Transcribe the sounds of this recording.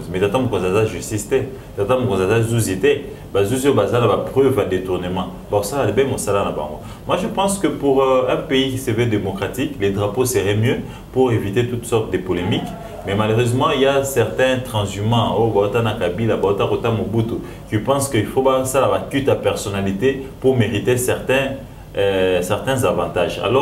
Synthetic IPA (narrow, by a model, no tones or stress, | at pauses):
mɛtatãmokɔ̃zazaʒyst̪istɛ | tat̪ãmokɔ̃zazazuzitɛ | bazuziobazanabapʁøvjadetuʁnəmɑ̃ | bakosalabɛmosalanabã̰ŋɡo̰ | mwaʒəpɑ̃skəpuʁɛ̃peikisɛvɛdemokʁatikledʁaposeʁɛmjø | puʁevit̪et̪ut̪sɔʁt̪d̪əpolemik | mɛmaløʁøzmɑ̃iljasɛʁt̪ɛ̃t̪χɑ̃zymɑ̃ojobaotanakabilabaotakotamobuto | kipɑ̃skəifobasalabakyt̪apɛʁsonalitepuʁmeʁitesɛʁt̪ɛ̃ | sɛʁt̪ɛ̃zavɑ̃taʒa̰lɔ